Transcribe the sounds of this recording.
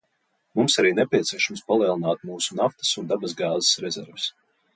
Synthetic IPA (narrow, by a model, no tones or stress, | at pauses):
mumsaɾiːnɛpʲiɛt̪siɛʃamspalˠiɛlˠinaːt̪̚muːsu̥naft̪ɐ̥sund̪abazɡaːze̥sɾɛzɛ̰ɾvɪs